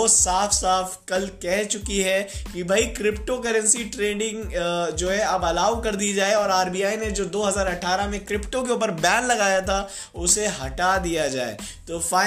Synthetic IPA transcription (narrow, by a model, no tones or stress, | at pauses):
oːsaːfʰsaːfkɐlkɛɦt͡ʃʊkiɦɛkibʱɐikɾɪpʈokɐɾə̃nsiʈɾeːɖɪ̃ŋɡd͡ʒoːɦɛɐbɐlaːʋkɐɾd̪id͡ʒaːeɔːɾaːɾbijaːined͡ʒoːd̪oːɦɐzaːɾɐʈʰːaːɾamẽkɾɪpʈok̬eʊːp̬əɾbɛ̃ːnlɐɡaːjat̪ʰa | ʊseɦɐʈad̪ijad͡ʒa̰ːḛː | t̪oːfaː